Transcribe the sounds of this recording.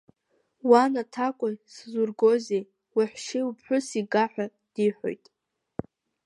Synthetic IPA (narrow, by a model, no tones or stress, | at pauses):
wanatʰakʷʼʊjszurɡozej | wiħʷʃeupʰħʷᶣʊsiɡaħʷᶣa | d̥iħʷᶣo̰jtʼ